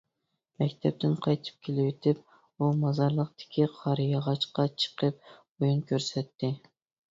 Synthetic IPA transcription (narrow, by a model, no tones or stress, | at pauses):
mɛkʲt̪ʰɛp̚t̪ɪnqʰɑjt̪ʰɨ̥p̚kʲʰelɪwet̪ʰɪp̚ | umɑzɑɾlˠəq̚t̪ɪ̥kʲʰiqʰɑɾjɑʁɑt͡ʃqɑt͡ʃʰə̥qəp̚ | ojunkʲʰøɾsɛt̪ʰːɪ